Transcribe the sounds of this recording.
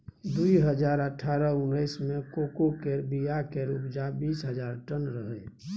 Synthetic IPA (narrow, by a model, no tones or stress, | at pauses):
d̪uiɦəd͡ʒaːɾəʈʰːaːɾəʊnəɪsmẽkokokeɾbijakeɾupd͡ʒabiːsɦəd͡ʒaːɾʈənɾəɦə